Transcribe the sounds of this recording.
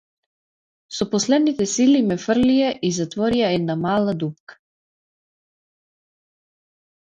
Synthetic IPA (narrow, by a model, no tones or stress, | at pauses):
sɔpɔslɛd̪nit̪ɛsilimɛfr̩lijaʔizat̪vɔɾijaɛd̪namalˠad̪up̚kḁ